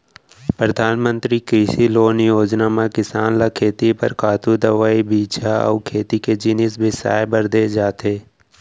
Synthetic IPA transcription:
pɾəd̪ʱaːnmə̃nt̪ɾikɾɪʃiloːnjoːd͡ʒnamãkɪsaːnlakʰeːt̪ipə̰ɾkaːt̪ud̪əʋaːibiːt͡ʃʰaɔ̰ːkʰeːt̪iked͡ʒɪnɪsbʱɪsa̰ːjbəɾd̪ed͡ʒaːt̪eː

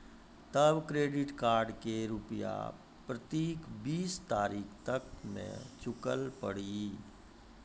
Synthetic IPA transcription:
t̪əbkɾeːɖɪʈkaːɾɖkeɾʊpja̰ | pɾət̪iːkbiːst̪aːɾiːkʰt̪əkmḛ̃t͡ʃʊkəlpəɽi

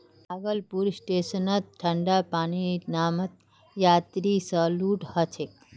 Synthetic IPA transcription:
aɡəlpuɾsʈeːsənat̪̚ʈʰɐɳɖapaːninaːmɐt̪̚ | jaːt̪ɾiːsəluːʈhɐt͡ʃʰek

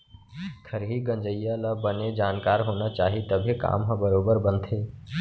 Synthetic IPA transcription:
k̪ʰəɾɦiɡə̃nd͡ʒəjalabəned͡ʒaːnkaːɾɦoːnat͡ʃaːɦit̪əbʱeka̰ːmɦə̃bəɾoːbəɾbənt̪ʰeː

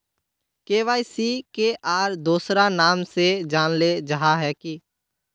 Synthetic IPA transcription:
keːʋaːisikeʔaːɾd̪uːsɾanaːmsed͡ʒaːnled͡ʒəɦaɦɛːki

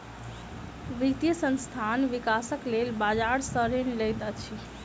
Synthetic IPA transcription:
ʋit̪jəsə̃nst̪ʰanʋikasəklelbad͡ʒaɽsəɾenləjt̪ət͡ʃʰi

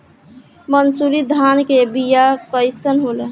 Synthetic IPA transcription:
mənsuɾid̪ʱankebijakəjsənɦolə

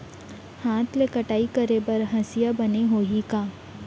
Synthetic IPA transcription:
haːt̪ʰlekɐʈaːikɐɾebɐɾɦɐsijabɐneɦoːɦikaː

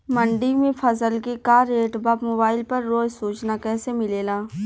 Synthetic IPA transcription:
mɐ̃ɳɖɪmẽpʰɐsəlkekaːɾeːʈbɐpmoːbaːɪlpɐɾːoːd͡ʒsuːt͡ʃnakɛːsemɪleːlaː

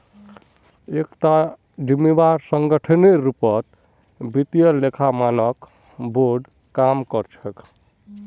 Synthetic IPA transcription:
ekt̪a | d͡ʒimːebaɾsəŋɡəʈʰəneɾupʌt̪ | bit̪ijəɾlekʰamanʌk | boɾɖ | kamkʌɾt͡ʃʰək

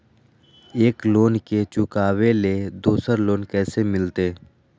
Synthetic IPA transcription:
eːkloːnket͡ʃʊkaːʋeled̪uːsəɾloːnkɛːsemɪlt̪eː

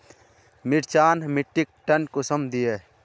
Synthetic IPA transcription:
miʈt͡ʃaːnmiʈːik̚ʈɐnkosəmd̪ije

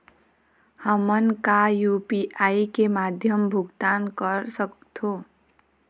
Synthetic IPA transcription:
hʌmʌnkajupiʔajkemad̪ʱjʌmbʱuɡt̪ankʌɾsʌkt̪ʰo

